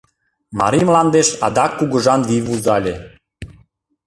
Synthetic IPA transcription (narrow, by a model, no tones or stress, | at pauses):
mɑ̰ɾimlɑnd̪eʃɑ̰d̪ɑkːuɣɤ̆ʒɑnlivuzɑlʲe